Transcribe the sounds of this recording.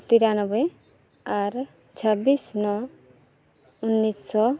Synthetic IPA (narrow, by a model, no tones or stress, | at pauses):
t̪iɾanɔbe | aɾ | t͡ʃʰabisnɔ | unːissɔ